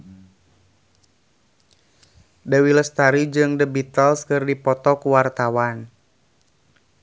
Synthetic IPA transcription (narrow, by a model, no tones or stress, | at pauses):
dəwiləst̪aɾid͡ʒɨŋdəbit̪əlskɨrdipɔt̪ɔkuwart̪awan